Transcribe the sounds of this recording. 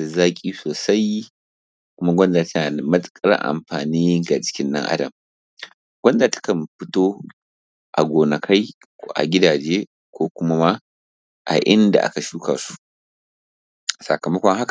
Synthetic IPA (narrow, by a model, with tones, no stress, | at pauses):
a˨zaː˦kʲʼiː˦soː˨sa˦j | kʷʊ˦ma˦ɡʷɐ˦ndaː˨ta˦na˨mɐ˦skʼɐ˦ɾɐ̰˦ʔa̰˨mɸaː˨niː˦ɡa˨t͡ʃɪ̥˦kʲɪ˦nːɐ̰˦ŋʔa̰˦dɐ˨m | ɡʷɐ˦nda˨tḁ˦kɐ˨mɸɪ˦toː˦ | ʔa̰˨ɡʷoː˨nɐ˨kʰa˦j | ʔa̰˨ɡʲɪ˦daː˨d͡ʒeː˦ | kʷoː˦kʷʊ˦ma˦ma˦ | ʔa̰˨ʔɪ˦nda̰˨ʔa̰˦ka˨ʃuː˦ka̰˨su̥˦ | sɐ˨kɐ˨mɐ˦kʷɔ˦ŋɦa˦ka˨